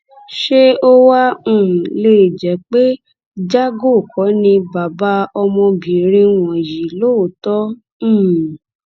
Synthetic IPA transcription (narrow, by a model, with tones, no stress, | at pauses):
ʃe˦o˦wã˦˨le˦i˨d͡ʒɛ˨˦k͡pe˦ | d͡ʒa˦ɡo˦˨kɔ˨˦nĩ˧ba˨ba˦ɔ˧mɔ̃˧bĩ˨ɾ̃ĩ˧w̃ɔ̃˨ji˨lo˦˨tɔ̃˦˨